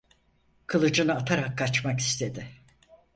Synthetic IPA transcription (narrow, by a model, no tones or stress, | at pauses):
kʰɯlˠɯd͡ʒɯnɯat̪ʰaɾakːat͡ʃmaki̥st̪ʰe̞d̪ɪ